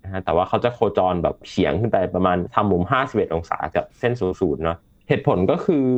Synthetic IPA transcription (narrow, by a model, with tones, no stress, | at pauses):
n˧kʰa˦˥t̪ɛː˨˩waː˥˩kʰa˦˥wt͡ɕa˨˩kʰoː˧t͡ɕɔː˧nbɛ̰ː˨˩p̚kʰi˩˦əŋkʰɯ˥˩pa˧jpɾa˧maː˧nt̪ʰa˧mːu˧mɦaː˥˩si˨˩p̚ʔe˨˩t̪ʔo˧ŋsa̰ː˩˦ka̰˨˩p̚se˥˩nsu˨˩˦suː˨˩t̪̚nɔ˦˥ | heː˨˩t̪̚pʰo˩˦nkɔː˥˩kʰɯː˧